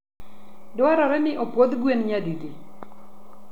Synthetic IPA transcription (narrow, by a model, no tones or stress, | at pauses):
dwaɾɔɾɛnɪʔopod̪ɡwenɲaduɡi